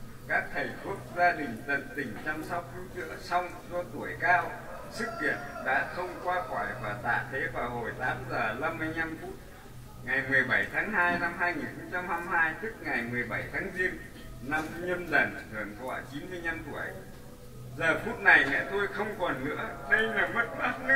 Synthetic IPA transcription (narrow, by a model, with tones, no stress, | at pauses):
kaː˦˥k̚t̪ʰə˨˩jku˦˥əp̚zaː˧ɗï˨˩ŋ̟zə̰˨˧˩nt̪ï˨˩ŋ̟t͡ɕa˧msɔ˦˥w̚kʰi˨˦t͡ɕɨ̰˧˥əsa˧wŋ͡mzɔ˧t̪u˧˩əjkaː˧w | sɨ˦˥k̚ŋḭ˧˨ənɗa̰ː˧˥t̪ʰə˧wŋ͡mkwaː˧kɔ˧˩jvaː˨˩t̪a̰ː˧˨t̪ʰe˨˦vaː˨˩who˨˩jt̪aː˨˦mzəː˨˩la˧mːɨ˧əjɲa˧mfu˦˥t̚ | ŋa˨˩jmɨ˨˩əjɓə˧˩jt̪ʰaː˨˦ŋhaː˧jna˧mɦaː˧jŋi˨˩nxə˧wŋ͡mt͡ɕa˧mha˧mhaː˧jt̪ɨ˦˥k̚ŋa˨˩jmɨ˨˩əjɓa˧˩jt̪ʰaː˨˦ŋzi˧ən | na˧mɲə˧nzə˨˩nzɨ˨˩ənkɔ̰˧˩t͡ɕi˨˦nmɨ˧əjɲa˧mt̪u˧˩əj | zəː˨˩fu˦˥t̚na˨˩jlɛ̰˧˥t̪o˧jxə˧wŋ͡mkɔ˨˩nnɨ̰˧˥əɗə˧jnaː˨˩mə˦˥t̚ma˦˥t̚nɨ˦˥